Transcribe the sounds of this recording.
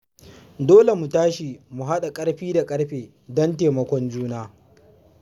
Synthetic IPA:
doː˦le˨mu˨taː˦ʃi˨mu˨ɦa˦ɗa˨kʼɐ˦ɽɸiː˦da˨kʼɐ˦ɽɸeː˨ | dɔ˦nteː˨mɐ˨kʷɔ˦nd͡ʒuː˦naː˦

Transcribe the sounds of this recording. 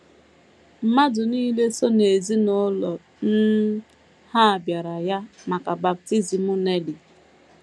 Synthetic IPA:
m̩˨ma˦dʊ˨niː˦le˦so˦ne˨zi˦nʊ˦lɔ˨ | n̩˦ | ha˦a˨bja˨ɾa˨ja˦ma˨ka˨ba˨p̚ti˦zi˨mʊ˦ne˦li˨

